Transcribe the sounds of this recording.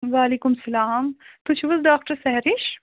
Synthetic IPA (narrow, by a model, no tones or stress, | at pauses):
ʋaːliːkʊmsɐlaːmt̪ut͡ʃʰʋɐzɖaːk̚ʈəɾsɐɦɾiʃ